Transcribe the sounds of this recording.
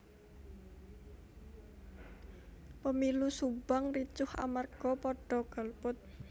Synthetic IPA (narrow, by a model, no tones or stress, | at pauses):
pəmilusubaŋrit͡ʃʊha̰marɡ̥ɔpɔɖ̥ɔɡ̥a̤lpʊt̪̚